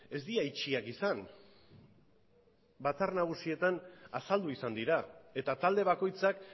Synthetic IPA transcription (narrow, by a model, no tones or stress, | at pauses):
e̞zd̪iait͡ʃiakisan | bat͡sarnaɣ̞usie̞t̪anasald̪uisand̪iɾae̞t̪at̪ald̪e̞β̞ako̞jt͡sak